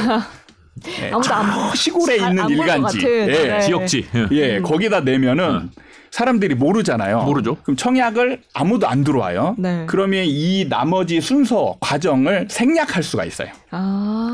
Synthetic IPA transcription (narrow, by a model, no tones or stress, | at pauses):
jḛɕʰiɡoɾe̞inːɯniɭɡand͡ʑḭjet͡ɕijʌkt͡ɕ͈ijekʌɡidanwe̞mjʌnɯn | sʰaɾamdɯɾimoɾɯd͡ʑana̰jomoɾɯd͡ʑokɯmt͡ɕʰʌŋjaɡɯɭa̰mudoa̰ndɯɾʌwa̰jonekɯɾʌmjʌninamʌd͡ʑisʰunsʰʌkwad͡ʑʌŋɯɭsʰe̞ŋɲakʰaɭs͈uɡa̰ḭs͈ʌ̰jo